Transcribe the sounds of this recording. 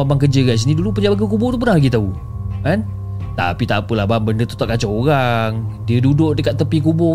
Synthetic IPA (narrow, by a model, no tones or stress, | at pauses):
abaŋkəd͡ʒəɡas̬inidulupəd͡ʒabak̬əkubɔt̪up̬ərnahlaɡit̪au | kan | t̪a̰pit̪apəlahbambəndət̪ut̪aʔkat͡ʃaoɾaŋdiədudʊʔdəkat̪ːəpikubɔ